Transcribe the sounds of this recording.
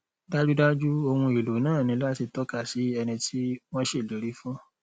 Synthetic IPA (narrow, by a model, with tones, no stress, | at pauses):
da˦d͡ʒu˦da˦d͡ʒu˦o˧hũ˧i˨lo˨nãː˦˨nĩ˨˧˦la˦ti˧tɔ˦ka˦˨si˨˦ɛ˧nĩ˧tʰi˦w̃ɔ̃˦ʃe˦˨lo˨˦ɾi˨˦fũ˦